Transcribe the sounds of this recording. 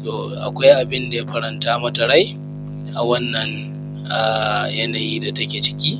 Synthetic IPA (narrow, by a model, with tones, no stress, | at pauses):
toː˨ʔa̰˨kʷa˦jʔa˨bɪ˦nda˨ja˦ɸɐ˦ɾɐ˨ntaː˦mɐ˦tɐ˨ɽa˦j | ʔa̰˨wɐ˦nːɐ˨ŋ | ʔaː˨jɐ˦na˨jiː˦da˨tɐ˦kʲeː˨t͡ʃɪ̥˦kʲiː˦